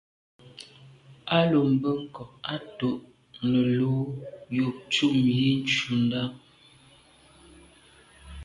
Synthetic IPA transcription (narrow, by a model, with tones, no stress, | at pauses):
a˦lo˨m̩˨bə˦ŋ̩˦kɔ˨a˦to˦˨ʔ | nə˨lo˨˦jo˨t͡ʃu˦˨mje˦n̩˦t͡ʃu˨n˦da˦